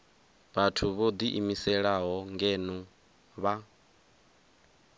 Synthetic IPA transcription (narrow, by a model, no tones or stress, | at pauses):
βatʰuβod̪iʔimisɛɺaɦɔŋɡɛnu | βa